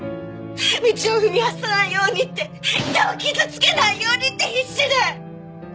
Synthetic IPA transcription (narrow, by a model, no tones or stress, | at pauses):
mʲit͡ɕioɯ̟mʲiasanaijo̞ːɲ̟it̪ːe̞it̪aokʲizɨt͡sɨ̥ke̞naijo̞ːɲ̟it̪ːe̞çiɕːiɾɯ